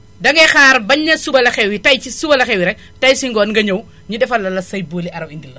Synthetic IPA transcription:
dɐŋɡɛxaːɾbɐɲːɐsubɐlɐxɛwitɐjcisubɐlɐxɛwiɾɛk̚ | tɐjsiŋɡɔːnŋɡɐɲɐw | ɲudɛfɐlːɐlɐsɐjboːliɐɾɐwindilːɐ

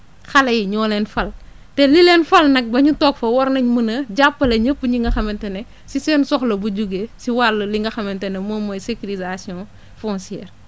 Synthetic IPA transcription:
xɐlɐjiɲɔːlɛnfɐl | tɛlilɛnfɐlnɐk̚bɐɲutɔːkfɐwɔɾnɐɲmunɐɟapːɐlɐɲəpːɲiŋɡɐxɐmɛntɐnɛ | sisɛːnsɔxlɐbud͡ʒuɡesiwalːɐliŋɡɐxɐmɛntɛnɛmoːmɔjsekilizasiɔ̃ː | fɔ̃nsiɛːr

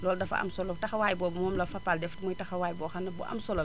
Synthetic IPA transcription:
lɔːldɐfɐ̰a̰msɔlotɐxɐwaːjbɔːbmɔːmlɐfapaldɛftmɔjtɐxɐwaːjbɔːxɐnɐbɔ̰ʔa̰msɔlɐl

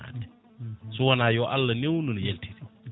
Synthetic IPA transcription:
a̰ːdɛ | sɔwanaːjɔʔalːɐnewnɔnɔjeltʰiɾi

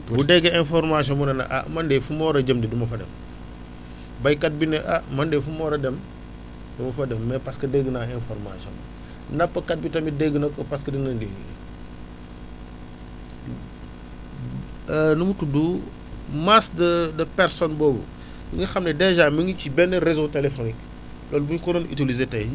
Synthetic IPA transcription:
budɛɡɛɛnfɔɾmasɔnbunɐnɐ̰ʔa̰mɐndɛfumɔɾɐɟɐmdidumɐfɐdɛ̰m | bɐjkɐt̚binɛʔamɐndɛfumɔːɾɐdɛm | dumɐfɐdɛmːɛpɐskɐdɛɡənaɛnfɔɾma̰sɔ̰nbṵ | nɐpːɐkɐt̚bitɐmidɛɡənɐkɔpɐskɐdinɐndḛɡ | numutudu | masdɐdɐpɛɾsɔnbɔːbṵ | biŋɡɐxɐmnɛdɛʒaːmɐŋɡicibɛnːɐɾezotelefonik | lɔːlbuɲkɔɾɔnitilizetɐj

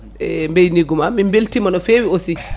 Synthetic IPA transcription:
ʔɛmbejniɡumamimbeltimanɔfeːwiosi

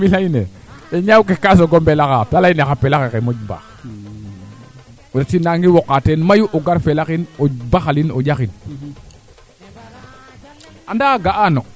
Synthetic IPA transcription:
milaine | eɲawuk̬ekas̬oɡombelakatalainexapelakekemod͡ʒba̰x | wudatinaŋɡiwokːatenmajuʔoɡaɾfelakinobaxalinoɟaxin | andaɡaʔano

